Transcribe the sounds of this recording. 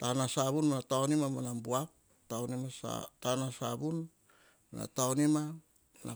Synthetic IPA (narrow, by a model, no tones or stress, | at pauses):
tanasaβunmanataonimamanambuap̚ | taonimasa̰tanasa̰bun | ma̰na̰taonima | mana̰